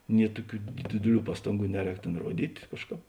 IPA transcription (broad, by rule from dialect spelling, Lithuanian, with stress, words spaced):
nʲiɛ ˈtuɔˌkʲuː ˈdʲɪdʲɪˌlʲuː ˈpɑːstɐŋˌɡuː ˈnʲæːˌrʲɛːk ˈtʲeːn ˈruɔdʲiːtʲ ˈkɑːʃˌkɑːp